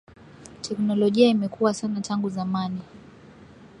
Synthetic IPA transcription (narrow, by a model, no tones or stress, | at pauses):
tʰɛknɔlɔʄiaimɛkuwasanatʰaŋɡuzamani